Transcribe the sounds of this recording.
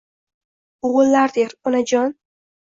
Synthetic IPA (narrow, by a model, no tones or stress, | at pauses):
ʊʁʊlːaɾd̪eɾʊnad͡ʒɒn